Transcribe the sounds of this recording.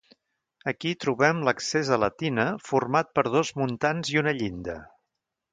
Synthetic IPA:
əkit̪ɾuβɛmləksezələt̪inəfurmat̪̚pəɾð̞ozmunt̪anziunəʎind̪ə̰

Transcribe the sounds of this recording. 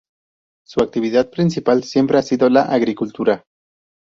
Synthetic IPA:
suak̚t̪iβiðað̚pɾinsipalsjempɾeasiðolaʔaɣɾikult̪uɾa

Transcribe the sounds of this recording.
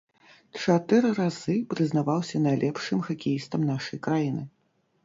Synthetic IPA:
t͡ʂat̪ɨɾɨɾazɨpɾɨznavawsʲɐnajlʲɛpʂɨmxakʲijist̪ɐmnaʂɐjkɾajinɨ

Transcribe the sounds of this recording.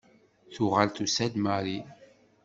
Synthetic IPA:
θʊʁalt̪usæd̪maɾi

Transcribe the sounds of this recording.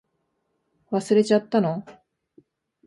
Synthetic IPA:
βasɨɾe̞t͡ɕat̪ːano

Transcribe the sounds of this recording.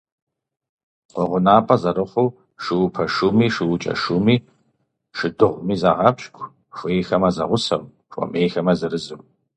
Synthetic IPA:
qʷɔʁʷʊnaːpʼɐzɐɾɨχʷʊw | ʃɨwʊpʰɐʃumiːʃiwʊt͡ʃʼɐ̰ʃumiː | ʃɨdɨʁʷmiːzaʁɐpɕkʷʰʼ | xʷʊjxɐmɐzɐ̰ʁʷʊsɐ̰w | kʷʼɔ̰meːxɐmɐzɨɾɨzɨw

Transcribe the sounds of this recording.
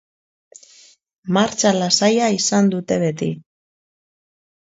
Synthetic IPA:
maɾt͡ʃalasajaisand̪ut̪e̞βe̞t̪i

